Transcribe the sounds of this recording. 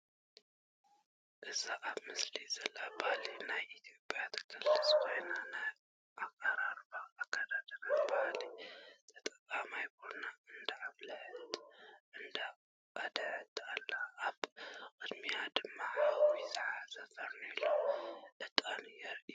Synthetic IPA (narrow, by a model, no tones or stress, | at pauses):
ʔɨzaʔaβmɨslizɐlabalinajʔit̪ʰijo̞pʼjat̪ʰɐ̥kʰɨlsaswʰojnanaj | ʔakʼaɾaɾbaːkʰːad̪ad̪ɐɾajbahalit̪ʰɐt̪ʼɐkʼamajbonaɨnd̪əaβlɐħɨt̪ʔɨnd̪a | kʼad̪əʕɨt̪ʰʼːalːaʔːβkʼɨd̪mijad̪ɨmːaaβɾizɨʕazɐzaɾnoloʔɨt̪ʼanɨjɛɾʔi